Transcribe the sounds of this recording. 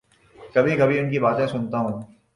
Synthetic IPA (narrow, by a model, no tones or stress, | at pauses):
kɐbʱikɐbʱiʊnk̬ibaːt̪ẽsʊnt̪aɦũː